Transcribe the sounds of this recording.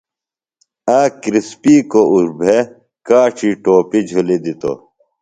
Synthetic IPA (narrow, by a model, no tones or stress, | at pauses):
ãːkɾispiːkouɾbʱe | kaːʈ͡ʂʰiʈoːpid͡ʑʱulid̪it̪o̰